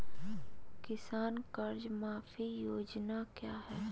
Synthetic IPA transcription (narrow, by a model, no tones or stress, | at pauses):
kɪsaːnkɐɾd͡ʒmaːfʰijoːd͡ʒnakjaːɦɛː